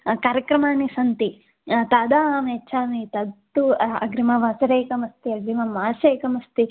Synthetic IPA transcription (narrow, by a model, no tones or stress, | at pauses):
kaːɾjɐkɾɐmaːnisɐnt̪i | t̪aːd̪aːmeʃʰaːnit̪ɐt̪ːuɐ̰ɡɾimɐʋaːsɐɾeːkɐmɐst̪iɐɡɾimɐmaːʃeːkɐmɐst̪i